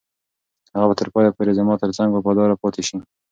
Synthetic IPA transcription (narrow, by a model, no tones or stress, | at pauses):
haɣabat̪əɾpɑjapoɾezamɑt̪əɾt͡saŋɡbapad̪ɑɾapɑt̪ʰeʃi